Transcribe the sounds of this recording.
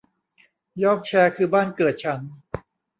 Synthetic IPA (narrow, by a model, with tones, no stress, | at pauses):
jɔː˥˩k̚t͡ɕʰɛː˧kʰɯː˧baː˥˩nkɤː˨˩t̪̚t͡ɕʰa˦˥n